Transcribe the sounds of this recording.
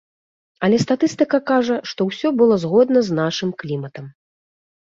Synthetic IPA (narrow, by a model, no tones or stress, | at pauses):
ɐlʲɛst̪at̪ɨst̪ɨkɐkaʐɐʂt̪ɔwsʲɔbɨlˠɔzɣɔd̪nɐznaʂɨmklʲimɐt̪ɐm